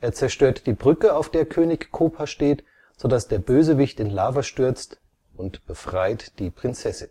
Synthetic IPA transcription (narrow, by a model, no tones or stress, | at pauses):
ʔeːɐt͡sɛɐʃtøːɐtd̥iːbʁʏkəaʊfd̥eːɐkʰøːnɪçkʰoːpʰaʃteːt | z̥odasd̥eːɐbøːzəvɪçtɪnlaːvɐʃtʏɐt͡st | ʊntb̥əfʁ̥aɪtd̥iːpʁ̥ɪnt͡sɛsɪn